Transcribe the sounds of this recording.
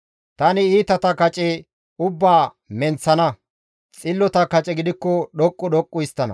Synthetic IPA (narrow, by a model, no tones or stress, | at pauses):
t̪ɐnɪiːt̪ɐt̪ɐkɐt͡ʃʼɛ | ʊbːaː | mɛnt͡sːɐnɐ | t͡sʼɪlːɔt̪ɐkɐt͡ʃʼɛɡɪd̪ɪkːɔɗɔkʼːɔɗɔkʼːʊjst̪ːɐnɐ̰